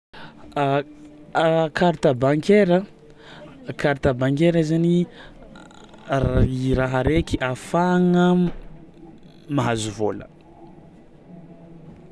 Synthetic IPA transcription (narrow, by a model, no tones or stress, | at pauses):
kʰaɾt̪abaŋkeɾə | kaɾt̪abaŋkeɾaizani | iɾaɦaɾekiʔafaŋə | maɦazuvolə̰